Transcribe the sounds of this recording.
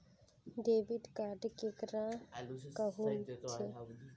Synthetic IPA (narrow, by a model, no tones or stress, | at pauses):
ɖeːʋiɖkaːɖkekɾãkəɦunt͡ʃʰe